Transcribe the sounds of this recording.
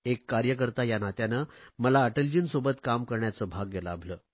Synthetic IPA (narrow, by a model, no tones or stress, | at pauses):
ekːaɾjək̬əɾt̪ajanat̪janəməlaəʈəld͡ʑiːnsobət̪kamkəɾɳjat͡səːbʱaɡːelabʱləː